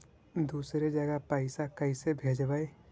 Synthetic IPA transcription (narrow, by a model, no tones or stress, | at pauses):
d̪uːsɾed͡ʒəɡapaːɪsakəɪsebʱeːd͡ʒbaːe